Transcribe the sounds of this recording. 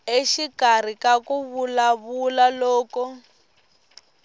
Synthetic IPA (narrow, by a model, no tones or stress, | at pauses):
eʃikar̤ikakuβulaβulalɔːkɔ